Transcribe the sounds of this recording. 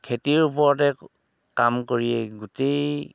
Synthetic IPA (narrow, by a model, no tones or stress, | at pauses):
kʰetiɹupɔɹɔtɛ | kamkoɹijɛɡutej